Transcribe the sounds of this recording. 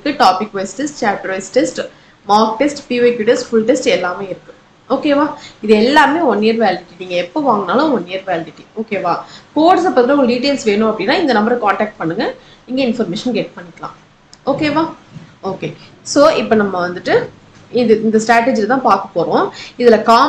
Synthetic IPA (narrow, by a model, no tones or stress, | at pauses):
kːɯʈaːpɪkːʋesʈesʈt͡ʃaːʈːɾʋesʈesʈ | maːk̚ʈesʈpiːʋɐɪkjuʈesʈfʊɭʈesʈɛlːaːmeːɪɾɯkːɯ̥̃ | oːkeːʋaːɪðɯɛlːaːmeːɔnːɪjɐɾʋejːlɪɪʈːiniːŋɡɐɛpːoːʋaːŋɡɐnaːlɐɔnːɪjɐɾʋjːlɪʈɪʈːioːkeːʋaːkoːʈsɐpːɐt̪ɪlɐ̃ʊŋɡɭɖiːʈ̬eːlsʋeːnʊ̃ɐpːɐɽɪnːaːɪnd̪ɐnɐmbɐɾɯkaːɳʈɛːk̚ʈ̚pɐɳːɯŋɡɐɪŋɡɐɪnfɐɾmeːʂɐnɡeːʈ̚pɐɳːɪkːɐlã̰ː | oːkeːʋaːoːkeː | soːɪpːonɐmːɐʋɐnd̪ɯʈːɯ | ɪðɯɪnd̪ɐsʈɾaːʈed͡ʒɪlɐt̪ãːpaːɾkɐ̥pːoːɾõːɪðɪlɐkaː